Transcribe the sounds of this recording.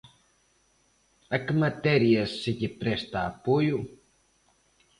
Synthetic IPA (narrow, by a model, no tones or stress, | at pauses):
akmat̪eɾiasːik̪ʲipɾest̪aːpuju